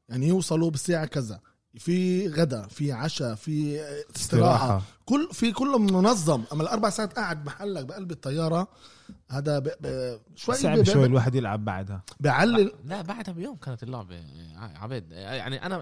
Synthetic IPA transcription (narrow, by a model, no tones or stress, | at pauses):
jaʕnijewsˤɑlubɪseːʕakæzæ | fiɣæd̪æfiʕaʃæfisˤt̪ɨɾˤɑːħɑkʊlːfikʊlːmmʊnɑzˤːɑmʔæmːælʔɑɾˤbaʕsaʕat̪ʔaʕad̪̚maħalːæk̚bʔælbɪt̪ˤːɑjːɑːɾˤɑ | hæːd̪æbb | ʃwæjːʕajːlwaːħed̪jɪlʕa̰bːa̰ʕd̪hæbɪʕalːɪmlæbaʕd̪hæbjoːmkæːnt̪lɑ̰ʕbaʕa̰bid̪ja̰ʕniʔæ̰næ